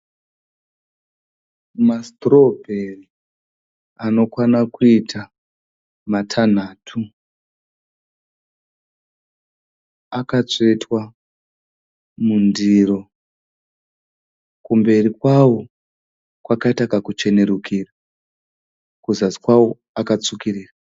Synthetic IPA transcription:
mastro̞bʱeri | ano̞kwanakuitʰa | matʰan̤aːtʰu | akat͡setwa | mundiɾo̞ | kumbe̞rikwawo | kwakaitakakut͡ʃe̞ne̞ɾukʰira | kuzasi̥kwawo | akat͡sukiriːra

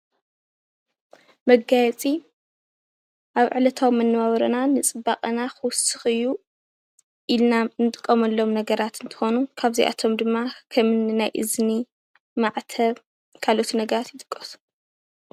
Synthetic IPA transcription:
mɐɡajɛt͡sʼi | ʔaβʕɨlɐt̪ʰawmːɐnːɨβaβɐɾɐnanɨt͡sʼɨbakʼɐnaxɨwʊsɨxɨjːu | ʔilnanɨt̪ʼɨkʼːɐmɐlːo̞mnɐɡɐɾat̪ɨnt̪ʰɨ̥xo̞nukʰaβziʔa̰t̪ʰo̞md̪ɨmːakʰɐmɨnnajʔɨ̰zni | maʕt̪ʰɐβ | kʰalot̪ʰinɐɡɐɾat̪jɪt̪ʼɨkʼːɐsu̥

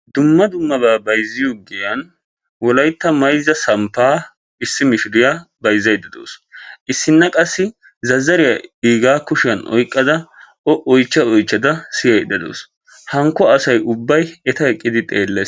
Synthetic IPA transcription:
d̪ʊmːɐd̪ʊmːɐbaːbɐjzːɪjoːɡɛjɐn | wɔlɐjt̪ːɐmɐjzːɐsɐmpːaː | ɪsːɪmɪʃɪɾɪjaːbɐjzːɐjd̪ɐd̪o̰ːsʔɪsːɪnːɐkʼɐsːɪ | zɐzːɐɾɪjɐiːɡaːkʊʃɪjɐnʔɔ̰jkʼːɐd̪ɐ | ɔʔɔjt͡ʃːɐɔjt͡ʃːɐd̪ɐsɪjɐjd̪ɐd̪o̰ːs | hɐŋkːɔɐsɐjʊbːɐjɛt̪ɐɛkʼːɪd̪ɪt̪ʼeːlːe

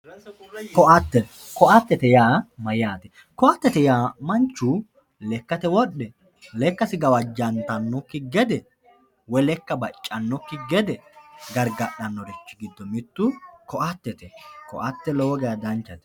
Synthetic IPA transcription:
kɔʔɐt̪ːɛ | kɔʔɐt̪ːɛt̪ɛjaːmɐjaːt̪ɛ | kɔʔɐt̪ːɛt̪ɛjaːmɐnt͡ʃːʊ | lɛkːɐt̪ɛwɔɗːɛ | lɛkːɐsɪɡɐwɐd͡ʒɐnt̪ɐnːɔkːɪɡɛd̪ɛ | wɔlɛkːɐbɐt͡ʃʼːɐnːɔkːɪɡɛd̪ɛɡɐɾɡɐɗɐnːɔɾɛt͡ʃːɪɡɪd̪ːɔmɪt̪ːʊkɔʔɐt̪ːɛt̪ɛkɔ̰ʔɐt̪ːɛlɔwɔɡɛjɐd̪ɐnt͡ʃːɐt̪ɛ

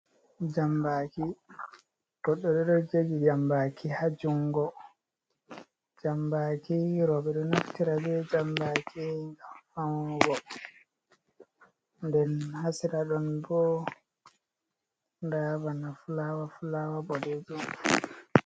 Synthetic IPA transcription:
d͡ʒambaki | ɡ̥ɔɗːɔɗɛɗɔd͡ʒeɡid͡ʒambakʰihad͡ʒuŋɡɔ | d͡ʒambakiɾɔɓɛɗɔnaftiɾabɛd͡ʒambakʰiŋɡamfamɡɔ | ndɛnhasiɾaɗɔnbɔ | ndabanafulawafulawabɔded͡ʒum

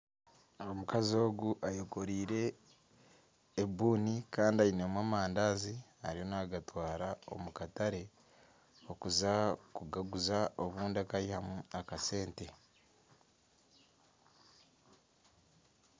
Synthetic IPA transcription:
aomukazio̞ːɡuʔajoko̞ɾiːɾe̞ | buːnikaːndiainemwaːmaːndaːziaɾijo̞naːɡatwaːɾao̞̰mukataɾe̞ | okuzakuɡaɡuzaoβuːndakaihamuakase̞ːnte̞

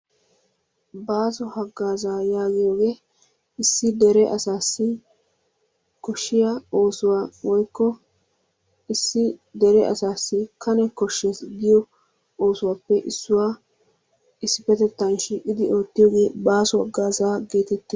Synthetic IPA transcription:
baːsɔhɐɡːaːzaːjaːɡɪjoːɡe̞ː | ɪsːɪd̪ɛɾɛʔɐsaːsːɪ | kɔʃːɪjao̞ːsʊwawɔjkːɔ | ɪsːɪd̪ɛɾɛɐ̰saːsːɪkʰɐnɛkɔʃːesɡɪjɔ | o̞ːsʊwaːpːɛʔɪsːʊwaː | ɪsːɪpɛt̪ɛt̪ːɐnʃiːkʼːɪd̪ɪo̞ːt̪ːɪjoːɡe̞ːbaːsɔhɐɡːaːzaːɡe̞ːt̪ɛt̪ːɪ

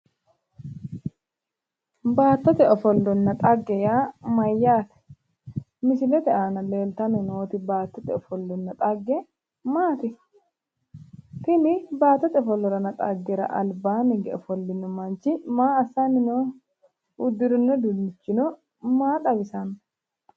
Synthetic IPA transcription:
baːt̪ːɔt̪ɛɔfɔlːɔnːɐt̪ʼɐɡːɛjaːmɐjːaːt̪ɛ̥ | mɪsɪlɛt̪ɛʔaːnɐle̞ːlt̪ɐnɪnoːt̪ɪbaːt̪ːɔt̪ɛɔfɔlːɔnːɐt̪ʼɐɡːɛ | maːt̪ɪ | t̪ɪnɪbaːt̪ːɔt̪ɛɔfɔlːɔɾɐnɐt̪ʼɐɡːɛɾɐ̰ʔɐlbaːnɪɡɛɔfɔlːɪnɔmɐnt͡ʃɪmaːɐsːanɪnoː | ʊd̪ːɪɾʊnːɔd̪ʊnːɪt͡ʃːɪnɔ | maːᶑ̪ʼɐbɪsɐn

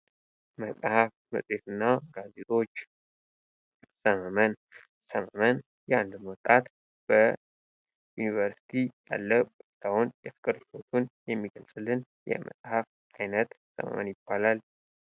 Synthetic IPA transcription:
məsʼhafmə̰sʼhet̪ʰɨnːaɡazet̪ʼo̞t͡ʃː | səməmən | səməmən | jɛand̪mwɔt̪ʼat̪ | b̥ə | junivəɾsi̥t̪ʰija̰lːəbut̪ʰawunjɛfɨkʼɨɾlot̪ʰunjɛmːiɡəlsʼɨlːɨn | jɛ̰mʔə̰sʼhaf | ajnət̪ | sə̰mə̰mə̰njɪb̥ːalal

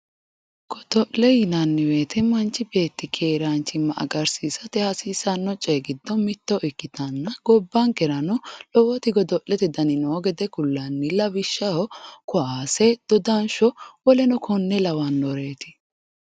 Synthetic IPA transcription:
ɡ̥ɔd̪ɔʔlɛjɪnɐnːɪwe̞ːt̪ʰɛmɐnt͡ʃːɪbe̞ːt̪ːɪkʰe̞ːɾaːnt͡ʃːɪmːɐʔɐ̰ɡɐɾsiːsɐt̪ɛhɐsiːsɐnːɔt͡ʃʼeːɡɪd̪ːɔmɪt̪ːɔʔɪkːɪt̪ɐnːɐɡɔbːaŋkɛɾɐnɔlɔwɔt̪ɪɡɔd̪ɔʔlɛt̪ɛd̪ɐnɪnoːɡɛd̪ɛkʊlːɐnːɪlɐbɪʃːɐɔkɔʔaːsɛd̪̥ɔd̪anʃɔwɔlɛnɔkʰɔnːɛlɐwanːɔɾe̞ːt̪ɪ̥

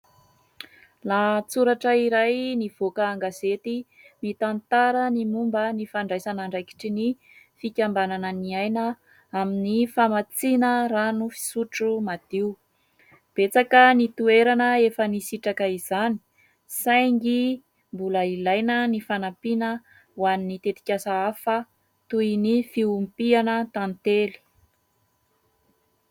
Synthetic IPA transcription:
lat͡suɾaʈ͡ʂəiɾajniv̥okəːŋɡazet̪i | mit̪ant̪aɾənimumbənifaɳɖ͡ʐajsanəɳɖ͡ʐajki̥ʈ͡ʂini | fikʲambananəniajnə | aminifamat͡sinəɾanufi̥suʈ͡ʂumad̪̥iu | b̥et͡sakənit̪ueɾanəefənisiʈ͡ʂakəiz̥ani̥ | sajŋɡi | mbuləilajnənifanapinə | uwaninit̪et̪i̥kʲasaafə | t̪ujnifiumpianət̪anit̪eli̥

